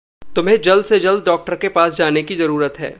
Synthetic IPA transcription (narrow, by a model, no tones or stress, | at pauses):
t̪ʊmɦẽd͡ʒɐld̪sed͡ʒɐld̪̚ɖɔːk̚ʈəɾkepaːsd͡ʒaːnekizɐɾuːɾət̪ɦɛ̰ː